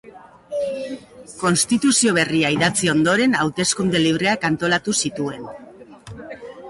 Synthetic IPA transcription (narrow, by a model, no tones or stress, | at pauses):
ko̞nst̪it̪usio̞β̞e̞riaiðat͡sio̞nd̪o̞ɾe̞nawt̪e̞skund̪e̞liβ̞ɾe̞akant̪o̞lat̪usit̪ue̞n